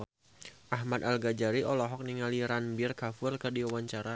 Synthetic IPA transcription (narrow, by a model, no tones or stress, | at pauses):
ʔaɦmat̪alɡad͡ʒaɾiʔɔlɔɦɔk̚niŋaliɾanbɪrkafʊrkɨrdiwawaɲt͡ʃaɾa